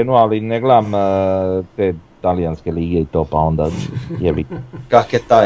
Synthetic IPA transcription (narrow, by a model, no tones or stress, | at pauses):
enualineɡleam | t̪eːt̪alijanskeliːɡeit̪o̞ːpao̞nd̪ajeʋikaket̪aː